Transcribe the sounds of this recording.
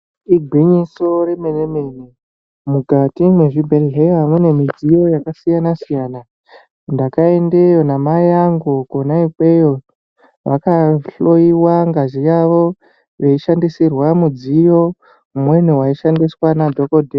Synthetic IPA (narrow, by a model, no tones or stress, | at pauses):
iɡʱwiɲiso̞ɾe̞menemeni | muɡʱatimwe̞ʐibʱelɦejamune̞mid͡zijo̞jakasijanasijaːna | ndakae̞nde̞jo̞namajaŋɡokonaikwe̞jo | ʋakaɬo̞iwaŋɡaʒijaʋo̞ | ʋeiʃandisirwamud͡zijo̞ | umwenuwaiʃandiswanadʱokodʱe